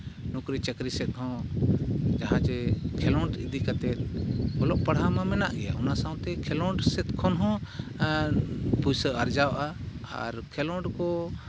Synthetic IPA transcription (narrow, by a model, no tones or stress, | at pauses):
nukɾit͡ʃəkɾisɛt̪̚ˀhɔ̃ | d͡ʒaɦãt͡ʃɛkʰɛlɔɳɖid̪ikat̪ɛt̪̚ɔlɔʔpaɽ̤ɦamamɛna̰ʔɡɛja̰unasãw̃t̪ɛkʰɛlɔ̃ɖsɛt̪̚kʰɔnɦɔ̃ | pujsəʔaɾd͡ʒawʔaa̰ɾkʰɛlɔɖkɔ